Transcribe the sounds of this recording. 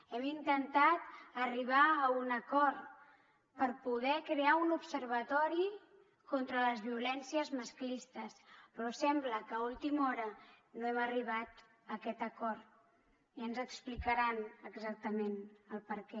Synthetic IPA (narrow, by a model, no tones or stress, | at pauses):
ɛmint̪ənt̪at̪əriβ̞aunəkɔɾt̪ | pəɾpuð̞ɛkɾeaunupsəɾβ̞ət̪ɔɾi | kɔnt̪ɾələzβiulɛnsiəzməsklist̪əspɾɔsɛmbləkəulˠt̪imɔɾə | noɛməriβ̞at̪ | əkɛt̪əkɔɾt̪ | iənzəksplikəɾanəɡzak̚t̪əmenəlˠpəɾkɛ